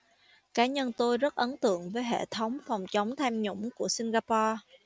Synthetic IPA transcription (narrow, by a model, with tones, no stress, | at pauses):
kaː˨˦ɲə˧nt̪o˧jzə˦˥t̚ʔə˨˦nt̪ɨ̰˧˨əŋvəː˨˦jɦḛ˧˨t̪ʰə˨˦wŋ͡mfɔ˨˩wŋ͡mt͡ɕə˨˦wŋ͡mt̪ʰɛ˧mɲʊ̰˧˥ŋ͡mku˧˩əsi˧nɣaː˧pɔ˧